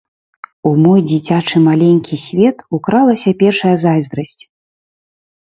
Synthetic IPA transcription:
umɔjd͡zʲit͡sʲat͡ʂɨmalʲenʲkʲisʲvʲɛt̪ukɾalˠɐsʲɐpʲɛrʂɐjɐzajzd̪ɾɐsʲt͡sʲ

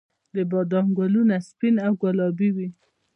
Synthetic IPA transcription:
d̪əbɑd̪ɑŋɡwalunaspinawɡwalɑbiwi

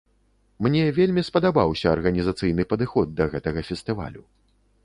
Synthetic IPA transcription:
mnʲɛvʲelʲmʲispɐd̪abawsʲɐːrɣɐnʲizat̪sɨjn̪ɨpɐd̪ɨxɔd̪ːɐɣɛt̪ɐɣɐfʲɛst̪ɨva̰lʲu

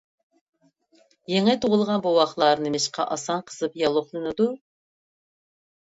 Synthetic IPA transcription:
jeŋɪt̪ʰoʁʊlˠʁɑnbowɑχlˠɑɾnɨmɪʃqʰɑ̰ʔɑsɑnqʰə̥zɨpjɑlˠoχlˠɨnɨd̪u

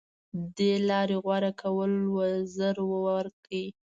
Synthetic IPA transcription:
d̪elɑɾeɣwaɾakʰawəlwəzəɾwəwaɾkəi

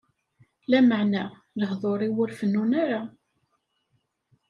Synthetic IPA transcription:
læməʕnæ | ðəhðˤoɾˤiwʊɾfənːunaɾa

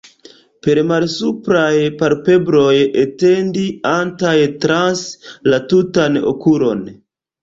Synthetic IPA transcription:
pe̞ɾmalsupɾajpaɾpe̞bɾo̞jete̞ndiantajtɾanslatutano̰kulo̞n

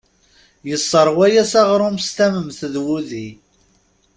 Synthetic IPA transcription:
jəsˤːəɾˤwæjæsɑʁɾˤomst̪æməmθðwuði

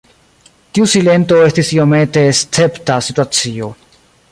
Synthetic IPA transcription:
tiusile̞nto̞e̞stisio̞me̞te̞ːst͡se̞ptasituat͡sio̞

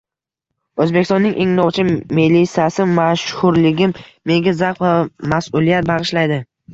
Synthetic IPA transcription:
ɵzbe̞kʲɪst̪ɔnːɪŋʔe̞ŋnɒwt͡ʃʰɪmilisjasɪmaʃhʊɾlɪɡʲɪmː | e̞ŋɡʲazaqvamasʊlijat̪̚baʁɨʃlajd̪ɪ

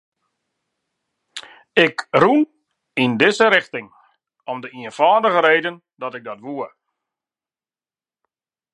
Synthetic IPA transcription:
ɪkrun | indɪsəɾɪxtɪŋ | ɔmdəiənfaːdəɣəɾeːdən | dɔtɪɡ̚dɔtʋuər

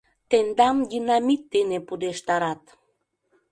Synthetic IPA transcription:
t̪end̪ɑmjinamit̪ːenepud̪eʃt̪ɑɾɑt̪

